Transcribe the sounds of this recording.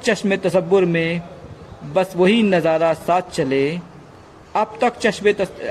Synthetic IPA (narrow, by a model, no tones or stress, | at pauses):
t͡ʃɐʃmet̪ɐsəʋːʊɾmẽ | bɐsʋɐɦinɐzaːɾasaːt̪̚ʰt͡ʃɐleː | ɐb̚t̪ɐkt͡ʃɐʃmet̪ɐ